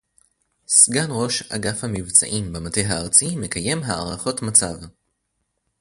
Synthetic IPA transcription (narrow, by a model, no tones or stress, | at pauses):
sɡanʁo̞ʃa̰ɡafhamivt͡sa̰ʔimbemate̞jɦaːʁt͡sime̞kaje̞mɦaaʁaχo̞tmat͡sav